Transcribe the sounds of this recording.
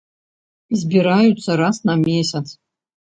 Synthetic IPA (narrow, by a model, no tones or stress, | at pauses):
izbʲiɾajut͡sʰːɐɾasnamʲesʲat͡sʰʼ